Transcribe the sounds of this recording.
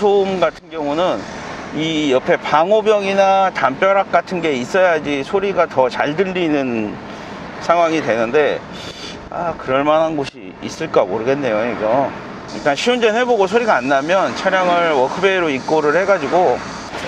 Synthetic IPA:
sʰomɡatʰɯnɡjʌŋunɯnijʌpʰe̞paŋobjʌŋinatamp͈jʌɾak̚k͈atʰɯnɡe̞is͈ʌjad͡ʑisʰoɾiɡatʌt͡ɕa̰ɭdɯʎːinɯn | sʰaŋɦwaŋidwe̞nɯnde̞ | a̰kɯɾʌɭmanɦanɡoɕʰḭ | ḭs͈ɯɭk͈amoɾɯɡenːe̞joiɡʌ | iɭt͈anɕʰiund͡ʑenɦe̞boɡosʰoɾiɡaːnːamjʌnt͡ɕʰaɾjaŋɯɭwʌkʰɯbeɾoik͈̚oɾɯɭhe̞ɡad͡ʑiɡo

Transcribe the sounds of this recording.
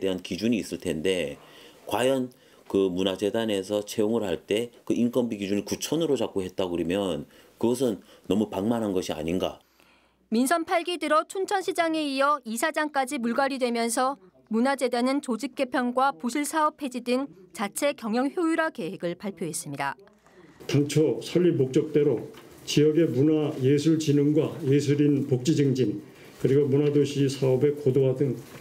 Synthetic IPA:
deɦankid͡ʑuɲiːs͈ɯɭtʰe̞nde̞ | kwajʌn | kɯmunad͡ʑe̞dane̞s̬ʰʌt͡ɕʰe̞oŋɯɭhaɭt͈e̞kɯʔink͈ʌmbiɡid͡ʑunikut͡ɕʰʌnɯɾot͡ɕak͈oɦe̞t̚t͈aɡɯɾimjʌn | kɯɡʌs̬ʰɯnːʌmupaŋmanɦanɡʌɕʰia̰ɲinɡa̰ | minsʰʌnpʰaɭɡidɯɾot͡ɕʰunt͡ɕʰʌnɕʰid͡ʑaŋeiʌisʰad͡ʑaŋk͈ad͡ʑimuɭɡaɾidwe̞mjʌnsʰʌ | munad͡ʑe̞denɯnt͡ɕod͡ʑik̚k͈e̞pʰjʌŋɡwapuɕʰiɭsʰaʌpʰe̞d͡ʑidɯŋt͡ɕat͡ɕʰe̞kjʌŋjʌŋçjojuɾake̞ɦe̞ɡɯɭpaɭpʰjoɦe̞s͈ɯmɲida̰ | taŋt͡ɕʰosʰʌʎːimok̚t͡ɕ͈ʌk̚t͈e̞ɾot͡ɕijʌɡe̞munajesʰuɭt͡ɕinɯŋɡwajesʰuɾinpok̚t͡ɕ͈id͡ʑɯŋd͡ʑin | kɯɾiɡomunadoɕʰisʰaʌbe̞kodoɦadɯŋ

